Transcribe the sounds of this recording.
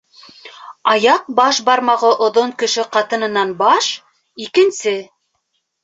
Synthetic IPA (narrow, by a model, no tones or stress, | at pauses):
ɑjɑq̚bɑʃbɑɾmɑʁɤʔŏðoɴkɵ̆ʃɘqɑt̪ɤ̆nɤ̆nɑnbɑʃ | ikɘ̆nsɘ